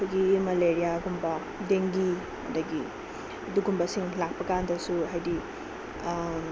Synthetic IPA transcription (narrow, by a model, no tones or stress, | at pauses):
kʰujɡimɐleɾijaɡumbɐ | deŋɡi | mɐ̰dɐɡi | ɐduɡumbɐsiŋlak̚pɐkandɐsuɦajdi